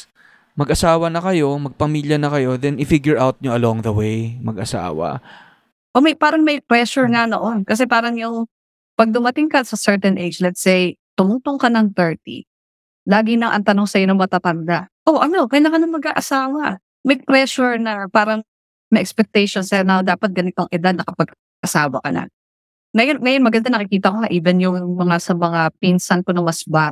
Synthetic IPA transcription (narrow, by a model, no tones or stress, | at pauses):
mɐɡʔɐsaːwɐnɐkɐjo̞mɐɡ̚pɐmiːljɐnɐkɐjo̞ðɛnɪfiɡjʊɹʔawt̪̚ɲoɐloŋðɐwejmɐɡɐsa̰ːwɐ̰ | ʔomɐjpaːɾɐŋmɐjpɾɛʃʊɹŋɐno̰ʔo̞nkɐs̬ɛpaːɾɐŋjʊŋ | pɐɡ̚d̪ʊmɐt̪ɪŋkɐsɐsɛɹt̪ɛnʔejd͡ʒlɛt̪sejt̪ʊmuːt̪oŋkɐnɐŋt̪ɛɹt̪ḭ | laːɡɪnɐŋʔɐ̰nt̪ɐno̞ŋsɐjonɐŋmɐmɐt̪at̪ɐnd̪aʔo̞ʔɐno̞kɐjlaŋkɐnɐŋmɐɡʔaʔɐsaːwɐ | mɐjɡ̚pɾɛʃʊɹnɐpaːɾɐŋ | mɐʔɛkspɛk̚t̪ɛjʃonsɛnawd̪aːpɐt̪̚ɡɐnɪt̪oʔɐŋʔɪd̪ad̪̚nɐkɐpɐɡ | ʔɐsaːwɐ̰kɐ̰nɐ̰ | ŋɐjoŋɐjonmɐɡɐnd̪anɐkɪkiːt̪ɐkonɐʔiːvɛnjʊŋmɐŋasɐmɐŋapinsɐnkonɐwɐsba